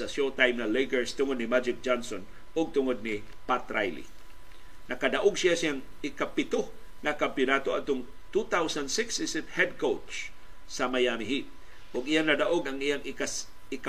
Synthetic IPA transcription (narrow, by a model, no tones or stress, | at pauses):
sɐʃot̪ajmnɐlekəɹst̪ʊŋod̪̚nɪmad͡ʒɪk̚d͡ʒanson | ʊɡ̚t̪ʊŋod̪̚nɪ | pat̪ɾajlḭ | nɐkad̪aʔoɡsɪjasiaŋ | ɪkapɪt̪o | ŋɐkampjʊnat̪oɐd̪̚t̪ʊŋ | t̪ut̪awsand̪sɪksɪsɪt̪̚hɛd̪̚kowt͡ʃ | sɐmajamɪɦip̚ | ʔʊɡijanɐd̪aʔoɡɐŋijaŋ | ɪk